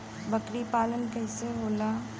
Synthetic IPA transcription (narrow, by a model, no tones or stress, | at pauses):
bɐkɾipaːlənkɛːseɦoːlaː